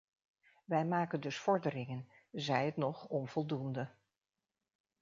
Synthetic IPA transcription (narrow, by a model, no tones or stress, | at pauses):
ʋɛjmaːkəndɵsfɔɹdəɾɪŋən | zɛjətnɔχɔnv̥ɔlˠdundə